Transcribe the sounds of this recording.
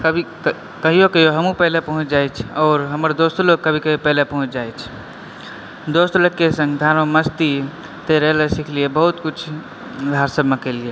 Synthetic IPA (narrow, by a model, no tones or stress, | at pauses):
kəbʱi | kəɦijokəɦjoɦəmũpəɦlepəɦũt͡ʃd͡ʒajt͡ʃʰɔːɾɦəməɾd̪ost̪oloɡ̚kəbʱikəɦijopɛɦlepəɦũt͡ʃʰd͡ʒajt͡ʃʰ | d̪ost̪olokkːesə̃ŋɡd̪ʱaɾoməst̪i | t̪eɾəɦləsikʰliebəɦut̪kut͡ʃʰ | d̪ʱaɾsəbmekəlie